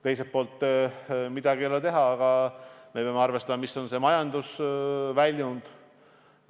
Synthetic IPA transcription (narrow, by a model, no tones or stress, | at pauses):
t̪e̞js̬et̪̚po̞ːlt̪ːˑ | mid̪̥ɑɡiolet̪e̞ɦɑːɡ̥ɑme̞peɑmeɑrve̞st̪ɑmɑmiso̞nse̞mɑjɑnd̪usvælʲjund̪̥